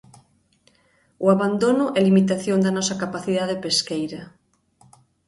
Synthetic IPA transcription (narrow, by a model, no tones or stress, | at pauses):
ʊaβand̪onʊʔɛlimit̪aθjond̪ɐnɔsɐkapaθiðaðepeskejɾɐ